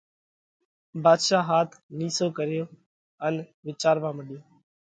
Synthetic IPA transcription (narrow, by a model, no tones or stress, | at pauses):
baːd̪ʃaːɦaːt̪ʰniːsoːkəɾɪjoː | ənʋɪt͡ʃaːɾʋãːməɗɪjoː